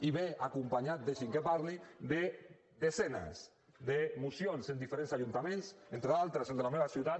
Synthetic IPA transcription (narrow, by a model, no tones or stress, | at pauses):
iβeakumpaɲat̪̚d̪eʃiŋkepaɾlid̪e | ðezena̰s | ðemusijonsend̪ifeɾensaʒunt̪amẽnsent̪ɾealˠt̪ɾəseld̪elameβasiuwt̪at̪